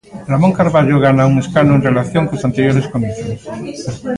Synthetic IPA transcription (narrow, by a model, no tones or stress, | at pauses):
ramõŋkaɾβaʎoɣanauŋeskanoẽnrelaθjoŋkosant̪eɾjoɾeskomiθos